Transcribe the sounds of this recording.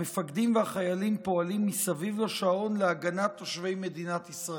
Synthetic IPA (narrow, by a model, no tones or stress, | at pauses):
mefaɡd̪imveaχajalimpo̞alimːisavivloʃao̞nleaɡanat̪ːoʃve̞jme̞d̪inat̪isʁa